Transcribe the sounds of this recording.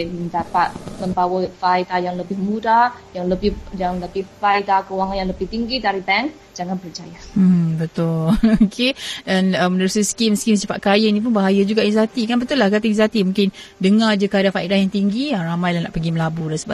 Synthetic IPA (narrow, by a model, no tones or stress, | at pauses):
məndapat̪̚məmbawəfait̪ajaŋləbɪhmudajaŋləbɪhjaŋləbɪhfaid̪akəuwaŋanjaŋləbɪht̪iŋɡidaɾibɛŋ | d͡ʒaŋanbərd͡ʒajabət̪ʊlokʰedanəmənəɾusiskimskimsifa̰ʔ̪̚kajənip̬ʊnbaɦajad͡ʒuɡaʔizat̪ikanbət̪ulːahkat̪iizat̪imũŋkɪndəŋad͡ʒakəadanfaidahjaŋt̪iŋɡiaramajlana̰ʔpəɡiməlabudansəba